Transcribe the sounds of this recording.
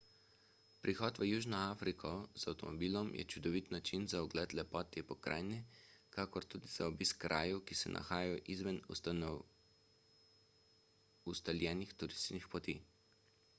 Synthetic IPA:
pɾʔixɔːt̪ʋəjuːʒnɔaːfɾikʰɔzawt̪ɔmɔbiːlɔmjɛ̰t͡ʃud̪ɔʋit̪nat͡ʃinzaɔɡlɛt̪lɛpɔːt̪ɛpɔkɾa̰ːjnɛkakɔɾt̪uːd̪izaɔbiskːɾʔa̰ːjɛwkisɛ̰nʔa̰xaːjajɔʔizʋɛn | ust̪aljɛːnixt̪uɾist̪t͡ʃnixpɔt̪i

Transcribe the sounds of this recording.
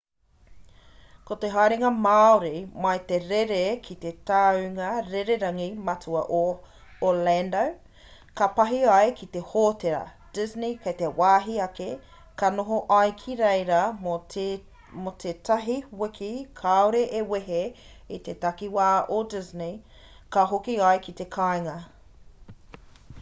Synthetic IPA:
kot̪eɦajɾiŋɐmaoɾimɐjt̪eɾeɾekʰit̪et̪aʉŋɐɾeɾeɾɐŋimɐtuɐʔo | olɛndow | kɐpɐɦiɐjkʰit̪ehoːt̪eɾɐ̰ | d̥ɪznikʰɐjt̪ewaːɦiɐke | kɐnoɦoʔɐjkʰiɾejɾɐmo | mot̪ʰet̪ʰɐɦiwɪkʰikʰaoɾeʔeweɦe | it̪et̪ɐkiwaːʔodɪzni | kɐɦokiɐjkit̪ekʰajŋɐ

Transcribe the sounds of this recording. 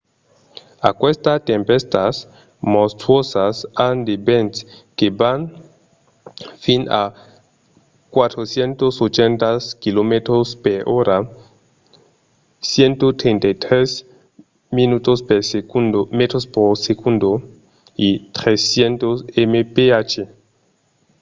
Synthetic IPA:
a̰kwest̪at̪empest̪as | most̪ɾwosasand̪ebent̪keban | fina̰ | kwat̪ɾosjent̪osot͡ʃent̪askilomet̪ɾospeɾʔoɾa | sjent̪ot̪ɾent̪ajt̪ɾes | minut̪ospesumet̪ɾospoɾsekund̪o | it̪ɾesjent̪osemepeat͡ʃe

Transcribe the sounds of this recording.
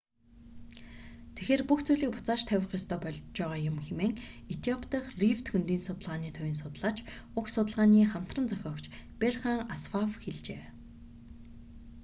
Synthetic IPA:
t̪ʰexeːrpuxt͡sujɮiːk̚pʊt͡saːʃt̪ʰæwʲɪ̆χjɔst̪ʰœːpɔɮt͡ɕæːʁaːjʊmxemeːŋet̪ʰiɔpʰt̪ə̆χrift̪xɵnt̪iːnsʊt̪ə̆ɮʁaːniːt̪ʰœwʲɪ̆nsʊt̪ə̆ɮaːt͡ɕʊksʊt̪ə̆ɮʁaːniːχam̥t̪rə̆nt͡sœxʲɔːkt͡ɕperχaːŋasfawxeɮt͡ɕeː

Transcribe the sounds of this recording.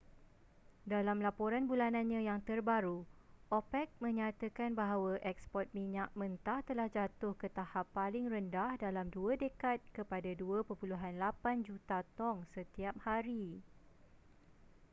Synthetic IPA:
dalamlapoɾanbulanãnɲãjaŋt̪ərbaɾuʔopɛk̚mə̃ɲãt̪akanbaɦawaʔɛkspɔt̪̚mĩɲak̚mə̃nt̪aht̪əlahd͡ʒat̪ʊhkət̪ahapːalɪŋrəndahdalamduadəkat̪̚kəpadaduapəpuluɦanlapand͡ʒut̪at̪ɔŋsət̪iap̚haɾi

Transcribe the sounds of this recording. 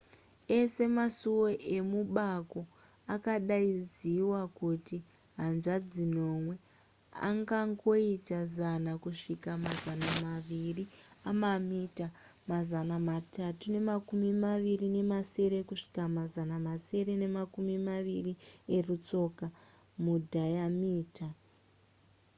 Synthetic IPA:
e̞se̞masuwo̞ʔe̞muɓako̞ | akaɗaiziwakuti | ɦanʐad͡zino̞mwe̞ | a̰ŋɡaŋɡo̞itazanakuʂikamazanamaʋiriamamita | mazanamatʰatune̞makumimaʋirine̞mase̞ɾe̞kuʂi̥kamazanamase̞ɾe̞ne̞makumimaʋirie̞rut͡so̞ka | mudʱajamiːta

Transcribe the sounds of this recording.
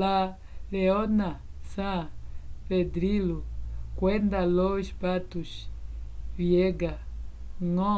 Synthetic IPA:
a | leona | sãped̪ɾilukwend̪aloʃpat̪us | vieɡa | ŋõ

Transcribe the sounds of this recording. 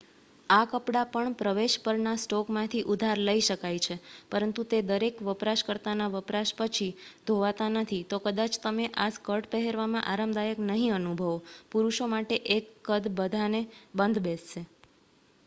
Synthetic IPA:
akəpɽapəɳpɾəʋeʃpəɾnasʈɔkmãt̪ʰiʔud̪ʱaɾləiʃəkajt͡ʃʰepəɾənt̪ut̪ed̪əɾekʋəpɾaʃkəɾt̪anaʋəpɾaʃpət͡ʃʰid̪ʱoʋat̪anət̪ʰit̪okəd̪at͡ʃt̪əmeʔaskəɾʈpəɦeɾʋamãʔaɾəmd̪ajəknəɦĩənubʱəʋopuɾuʃomaʈeʔekːəd̪bəd̪ʱanebənd̪besʃe

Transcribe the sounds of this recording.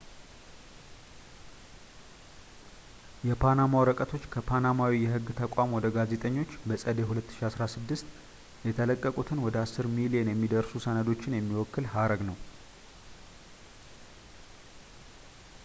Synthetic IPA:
jɛpʰanamawɾəkʼət̪ʰo̞t͡ʃːkʰəpʰanamawijɛɦɨɡːt̪ʰəkʷʼamwɔd̪əɡaze̞t̪ʼəɲːo̞t͡ʃːbəsʼəd̪eɦulət̪ːɨ̥ʃiasɾasɨd̪ːɨst̪ | jɛt̪ʰələkʼːəkʼut̪ʰɨnwɔd̪əasːɨɾmilijenjɛmːid̪əɾsusənəd̪o̞t͡ʃːɪnjɛmːiwɔkːɨlhaɾəɡnəw

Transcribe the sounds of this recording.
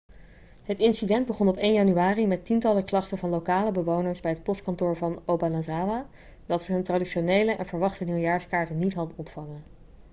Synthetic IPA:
ɦətɪnsidɛnd̚bəχɔnɔpejnjɑnyaːrimɛtintɑləklɑχtəvɑnlowkaːləbəʋownəɹsbɛjɦət̚pɔstkɑntʊːɹvɑnowbanazaːʋa | dɑtsəɦɵntradiʃonejləʔɛ̰nvəɹʋɑχtəniljaːɹskaːɹtənitɦɑdənɔntfɑŋən

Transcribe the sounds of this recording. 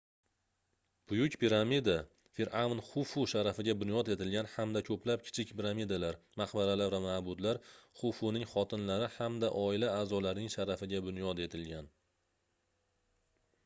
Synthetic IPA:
b̥ʊjʊkʲpʰiɾamid̪a | fiɾʔawnχʊfʊʃaɾafɪɡʲabʊnjɒt̪e̞t̪ɪlɡʲanhamd̪akʰɵplap̚kʲʰɪ̥t͡ʃʰɪkʲpʰɪɾamid̪alaɾ | maqbaɾalaɾvamabʊd̪laɾχʊfunɪŋχɒt̪ʰɪnlaɾɪhamd̪aʔɒɪlaaːzɒlaɾnɪŋʃaɾafɪɡʲabʊnjɒd̪e̞t̪ʰɪlɡʲan

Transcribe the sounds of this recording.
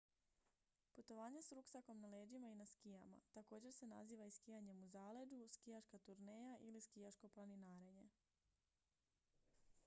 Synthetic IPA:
put̪o̞ʋaːɲe̞sɾuksako̞mnaleːd͡ʒimainaskijama̰t̪ako̞ːd͡ʑe̞ɾse̞na̰ziːʋaiskijaɲe̞muzaːle̞d̪uskijaʃkat̪uɾneːjaʔiliskijat͡ʃko̞plˠaninaːɾe̞ɲe̞

